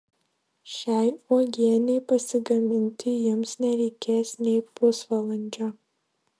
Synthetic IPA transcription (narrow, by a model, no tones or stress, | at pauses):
ʃʲæjʔɔɡʲiɛnʲejpɐsʲɪɡɐmʲɪnʲtʲʰɪjɪmsnʲɛɾʲeɪkʲʰeːsnʲejposvɐlˠɐnʲd͡ʒɔ